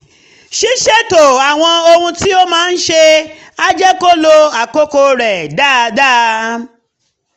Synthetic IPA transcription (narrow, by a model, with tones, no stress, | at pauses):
ʃi˦ʃe˦to˨a˨w̃ɔ̃˧o˧hũ˧ti˦o˦mãː˦n̩˦ʃe˧ | a˦d͡ʒɛ˦ko˦lo˧a˨ko˦ko˧ɾɛ˨da˦˨da˦